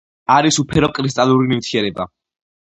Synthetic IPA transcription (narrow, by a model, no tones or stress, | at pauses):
aɾisupʰɛɾɔkʼɾis̬t̪ʼalˠuɾinimt̪ʰiɛɾɛba